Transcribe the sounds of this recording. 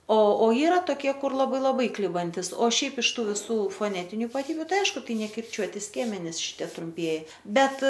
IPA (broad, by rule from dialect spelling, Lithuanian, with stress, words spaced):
oː oː ˈiːrɐ toːˈkʲiɛ ˈkʊr lˠɐˈbɐɪ lˠɐˈbɐɪ ˈklʲɪbɐnʲtʲɪs oː ˈʃʲɛɪp ɪʃ ˈtuː ʋʲɪˈsuː foːˈnʲæːtʲɪnʲʊ ɪpɐˈtʲiːbʲʊ ˈtɐɪ ˈɐɪʃkʊ ˈtɐɪ nʲɛkʲɪrʲˈt͡ʃʲuɔtʲɪ ˈsʲkʲiɛmʲɛnʲɪs ˈʃʲɪtʲiɛ trʊmʲˈpʲiɛjɪ ˈbʲɛt